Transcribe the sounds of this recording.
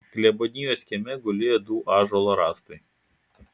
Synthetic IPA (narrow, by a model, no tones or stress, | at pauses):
klʲɛbɔnʲɪjoːsʲkʲɛmʲɛɡʊlʲeːjoːd̪uːʔɑːʒɔlˠoɾɑːst̪ɐɪ